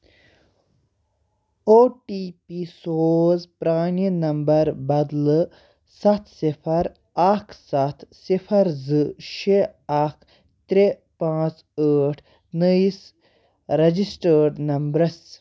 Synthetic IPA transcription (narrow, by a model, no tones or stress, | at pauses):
oːʈipisoːzpɾaːɳinɐmbɐɾbɐd̪l | sɐt̪ʰsipʰɐɾ | akʰsɐt̪ʰsipʰɐɾzɨʃeakʰ | t̪ɾe | pãːt͡s | əːʈʰ | nəis | ɾɐd͡ʑisʈəːɾɖnɐmbɾɐs